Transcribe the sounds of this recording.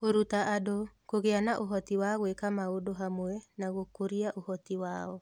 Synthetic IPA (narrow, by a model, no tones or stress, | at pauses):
oɾutaʔadokoɣeanaʔoɦɔtiwaɣwekamaodoɦamoɛnaɣokoɾiaʔohɔtiwaɔ